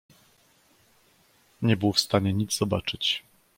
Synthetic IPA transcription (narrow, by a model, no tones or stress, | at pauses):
ɲɛbɘwfst̪aɲɛɲid̪zzɔbat͡ʂɘt͡ɕ